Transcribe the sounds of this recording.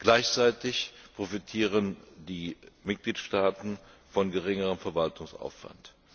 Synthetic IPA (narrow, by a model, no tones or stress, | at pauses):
ɡ̥laɪçt͡saɪtɪçpʁ̥ofitʰiːʁəndiːmɪt̚ɡ̥liːtʃtaːtn̩fɔnɡəʁɪŋəʁəmfɛɐvaltʰʊŋsʔa̰ʊfv̥a̰nt